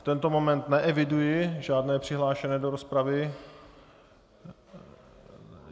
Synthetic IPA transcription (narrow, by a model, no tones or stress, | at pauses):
ft̪ɛnt̪omomɛnt̪nɛʔɛvɪdujɪʒaːdnɛːpr̥ɪɦlaːʃɛnɛdoɾospɾavɪ